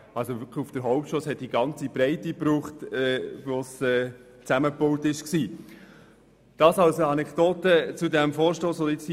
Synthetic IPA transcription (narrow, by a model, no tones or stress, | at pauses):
ɑlsovʏkʰufd̥əɾɦɔʊp̚tʃoːshɛt̚d̥iɡɑnt͡sibɾɛɪtipɾuːχtɛvosɛː | t͡sæməpowtɪʃksiː | d̥ɑːsɑwsəɑnɛkd̥oːtət͡sudæmfɔːɾʃtoːsʋɔdɪt͡s